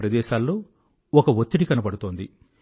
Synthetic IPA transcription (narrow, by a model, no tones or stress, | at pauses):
ɾɐd̪ɛːʃaːlːo̞ː | ɔkɐʋot̪ːiɽikɐnɐpɐɽut̪o̞ːnd̪ḭ